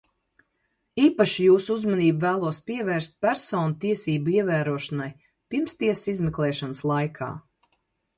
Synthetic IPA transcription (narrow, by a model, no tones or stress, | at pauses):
iːpaʃijuːsuuzmaniːbvæːlˠuɔspiɛvɛːɾst̪̚pʲæɾsɔːnut̪iɛsiːbuiɛvæːɾuɔʃanaj | piɾmst̪iɛsizmɛklˠɛːʃanslˠajkʰa̰ː